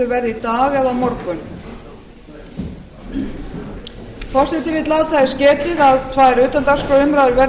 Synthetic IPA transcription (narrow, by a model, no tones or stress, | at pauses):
ʏɾvɛɾðit̪aːɣɛðamɔɾkʏn | kʰɔsɪt̪ɪvɪðt̪laːwt̪ʰaðɪscɛːt̪ɪðaðt̪ʰvaːjɾʏːt̪amt̪askɾɔʏmɾaðʏɾvɛ